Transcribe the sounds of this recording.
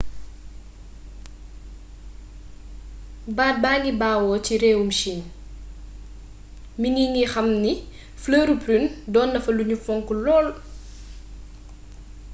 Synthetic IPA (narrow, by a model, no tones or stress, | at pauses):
baːd̚baːŋɡibaːwɔːciɾɛːwumʃin | miŋɡiŋɡixɐmni | fləːɾupɾindɔːndɐfɐluɲufɔŋkulɔːl